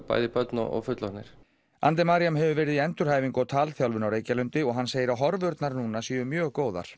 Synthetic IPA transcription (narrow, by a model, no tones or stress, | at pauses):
pa̰ːjðɪpœt̪nɔ̰ɔ̰ɣfʏt̪lɔnɪɾ̥ | a̰nt̪̬ɛmaɾijamɦɛvʏvɛːɾɪðiɛnt̪ʏɾ̥haːjviŋkɔwt̪ʰaːlθjawlvʏnawɾeːjcalʏnt̪ɪɔɣɦanseːjɪɾawɦɔɾvʏɾt̪naɾnuːnasiːʏmjœːɣkoːwða̰ɾ̥